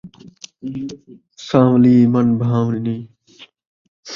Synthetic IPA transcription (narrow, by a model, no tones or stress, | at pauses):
sãːwliːmɐnbʱãːwniniː